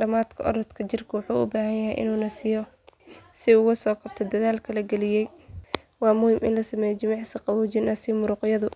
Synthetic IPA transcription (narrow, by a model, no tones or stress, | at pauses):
ɖɐmaːd̪kʰɐʔɔ̰ɾɐt̪kʰɐt͡ʃɪrkʰɐwɑħuːʔʊ̰baːɦɐnjɐɦɛjʔɪ̰nuːnɐsɪjɔ | sɪʊɣɐsɔːkʰɐb̚t̪ʰɛd̪ɐðaːlkʰɐlɐɡɛlɪjɛj | wɑːmʊhɪmʔɪ̰nlɐsɐmɛːjɛt͡ʃɪmɑʕsɪqɑwʊt͡ʃɪnɐsɪmʊɾʊqɪjɐðʊ